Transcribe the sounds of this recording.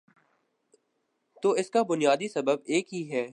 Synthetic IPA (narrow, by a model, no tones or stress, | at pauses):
t̪oːɪskabʊnijaːd̪isɐbəbeːkɦiɦɛː